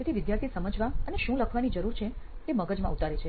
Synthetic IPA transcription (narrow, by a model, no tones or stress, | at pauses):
et̪ʰiʋɪd̪jaɾt̪ʰisəməd͡ʒʋaəneʃũləkʰʋanid͡ʒəɾuɾt͡ʃʰe | t̪eməɡəd͡ʒmã̰ut̪aɾet͡ʃʰe